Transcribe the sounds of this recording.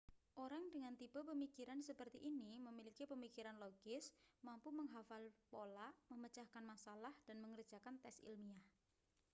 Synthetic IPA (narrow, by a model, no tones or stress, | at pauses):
ʔoɾaŋdəŋant̪ib̥apəmikiɾansəpərt̪iʔːniməmilikipəmikiɾanloɡ̥ɪsmampuməŋɦafalpolaʔməmət͡ʃahkanmasalahd̥anməŋər̥d͡ʒ̥akant̪ɛsḭlmiah